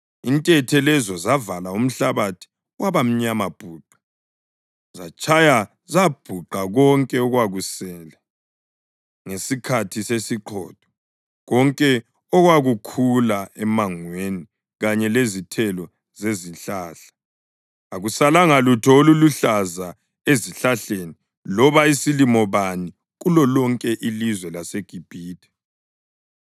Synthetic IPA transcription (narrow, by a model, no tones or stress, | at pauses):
intʼɛtʰɛlɛzɔzavalaum̩ɬaβatʰi̥ | waβam̩ɲamab̥ʱuːǃa | zat͡ʃʼʰaja | zab̥ʱuǃaɣɔŋkʼɛɔɣwaɣusɛːla | ŋesikʰatʰisesiǃʰɔːd̥ʱɔ̥ | ɣɔŋkʼɛ | ɔɣwaɣukʰulaɛmaŋweni | ɣaɲɛlezitʰɛlɔ | zeziɬaːɬḁ | aɣusalaŋalutʰɔoluluɬaza | eziɬaɬeːni | lɔβaisilimɔβani | ɣulɔlɔŋkʼɛʔilizwɛlaseɡ̥ʱib̥ʱiːdʰʱʼɛ̥